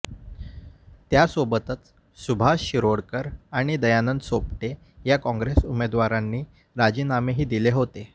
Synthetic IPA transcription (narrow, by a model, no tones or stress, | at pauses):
t̪jasobət̪ət͡s | subʱaɕiɾoɽkəɾaɽ̃id̪əjanənsop̚ʈe | jakɔ̃ŋɡɾesumed̪ʋaɾanːiː | ɾad͡ʑiːnameɦiːd̪ileɦot̪e